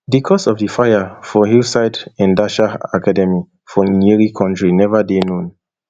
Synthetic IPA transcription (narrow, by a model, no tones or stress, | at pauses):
dikʰɔsɔvdifajafɔɦilsaɪdɛ̃ndaʃaakʰadɛmi | fɔniɹikʰɔ̃ntɹinɛvadenõn